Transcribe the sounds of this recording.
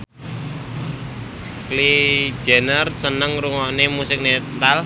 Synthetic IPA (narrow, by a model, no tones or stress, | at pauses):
kli̥d͡ʒ̥ɛ̤nərsənəŋɾuŋɔʔnemusɪk̚net̪al